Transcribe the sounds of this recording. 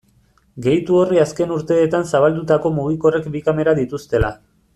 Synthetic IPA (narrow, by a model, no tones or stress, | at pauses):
ɡe̞jt̪uo̞riaske̞nuɾt̪e̞ːt̪ansaβ̞ald̪ut̪ako̞muɣ̞iko̞re̞kbikame̞ɾaðit̪ust̪e̞la